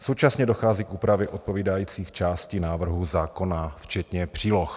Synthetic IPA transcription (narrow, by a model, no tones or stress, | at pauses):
sowt͡ʃasɲɛdoxaːziːkʔuːpɾavjɛʔot̪̚poviːdajiːt͡siːxt͡ʃaːscinaːvr̩ɦuzaːko̞naft͡ʃɛt̪ɲɛpr̝̥iːlox